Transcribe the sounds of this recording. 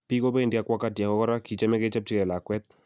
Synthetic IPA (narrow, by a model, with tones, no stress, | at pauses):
pi˦ko˦bɛ˦˨ndja˦˨kwa˦ka˦tja˨kɔ˦kɔ˦ɾa˦ki˨t͡ʃa˦mɛ˦ke˦t͡ʃa˦p̚t͡ʃi˦kɛ˨la˨kwɛ˦t̪̚